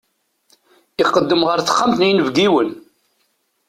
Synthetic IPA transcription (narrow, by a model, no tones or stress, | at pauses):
iqːəd̪ːəmʁəɾθə̥χːəmθnjnəvɡiwən